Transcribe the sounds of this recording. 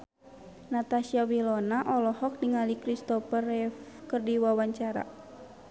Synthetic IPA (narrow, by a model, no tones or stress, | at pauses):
nat̪asiawilɔnaʔɔlɔhɔk̚diŋalikɾist̪ɔpərɛfkɨrdiwawaɲt͡ʃaɾa̰